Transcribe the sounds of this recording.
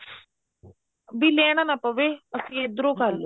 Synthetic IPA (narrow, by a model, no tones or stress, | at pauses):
biːleːɽ̃anapəʋeːəsĩed̪ɾoːkəɾlo